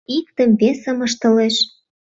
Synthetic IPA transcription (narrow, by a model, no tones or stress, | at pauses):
ikt̪ə̆mβesə̆mɤ̆ʃt̪ɤ̆leʃ